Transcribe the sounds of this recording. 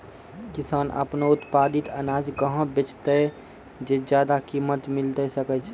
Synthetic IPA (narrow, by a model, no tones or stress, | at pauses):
kɪsaːnʔə̰pnoʊt̪paːd̪ɪt̪ənaːd͡ʒkəɦə̃bet͡ʃt̪e | d͡ʒed͡ʒjaːd̪akiːmət̪mɪlt̪esəkət͡ʃʰ